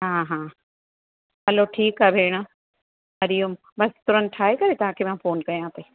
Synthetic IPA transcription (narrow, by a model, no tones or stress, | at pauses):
ɦãːɦãː | ɦɐloʈʰiːkaːbʱeːɽ̃ə | mɐɾijʊm | bɐst̪ʊɾən̆ʈʰaːɦekɐɾet̪ɐɦãkʰemãːfoːnkɐjãːt̪eː